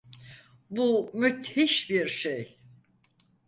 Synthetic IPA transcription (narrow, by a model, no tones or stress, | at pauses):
bumyt̪hiʃbiɾʃej